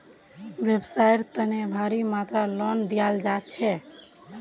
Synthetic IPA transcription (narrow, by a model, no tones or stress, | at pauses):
ʋebsajʈt̪ənebʱaɾimat̪ɾalɔnd̪ijald͡ʒat̪̚t͡ʃʰɛ